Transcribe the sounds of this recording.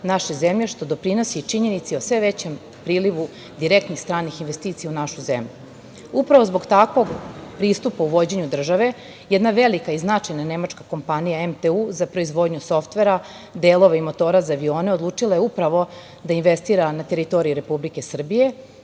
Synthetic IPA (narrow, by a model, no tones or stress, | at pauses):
naʃezemʎe̞ʃt̪o̞d̪o̞pɾino̞sit͡ʂiɲe̞nit̪sio̞sʋe̞ʋet͡ɕem | pɾiːliʋu | d̪iɾek̚t̪nixst̪ɾaːnːixinʋe̞st̪iːt̪sijaunaʃuzḛmʎu | upɾaʋozbo̞ɡt̪akʋo̞ɡpɾiːst̪upauʋo̞d͡ʑe̞ɲud̪r̩ʒaʋe̞ | jed̪naʋe̞likaiznat͡ʃajnane̞mat͡ʂkako̞mpanijaemt̪euːzapɾo̞izʋo̞d̪ɲuso̞ft̪ʋe̞ɾa | d̪eːlo̞ʋaimo̞t̪o̞ːɾazaːʋio̞ːneo̞d̪lˠuːt͡ʂilˠajeupɾaʋo̞ | d̪ainʋest̪iːɾanat̪e̞ɾit̪o̞ɾijiɾe̞publike̞sr̩bije̞